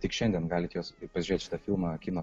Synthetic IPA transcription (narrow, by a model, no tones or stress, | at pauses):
t̪ʲɪkʃʲɛnʲd̪ʲiɛnɡɑːlʲɪt̪joːspɐsʲʒʲɾeːt̪ʲʃʲɪt̪ɐfʲɪlˠmɑkʲɪnoː